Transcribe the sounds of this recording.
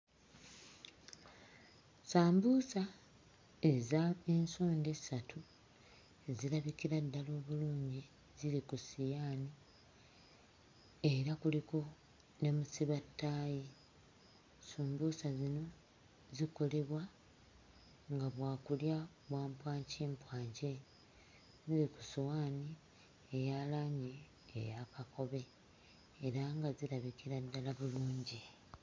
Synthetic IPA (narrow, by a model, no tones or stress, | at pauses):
saːmbusa | e̞zae̞nsoːndesatʰu | zilaβikiɾadːalo̞ːβuluːɲɟi | zilikusijaːni | e̞ɾakuliko̞ | ne̞musiβatːaːji | suːmbusazino̞ | ziko̞le̞βwa | ŋɡaβwaːkulja | βwaːmpwaːɲciːmpwaːɲce | ziɾiku̥sowaːni | ejaːlaɲḛː | jakako̞βe̞ː | ɾaŋɡaziɾaβikiɾadːalaβuluːɲɟi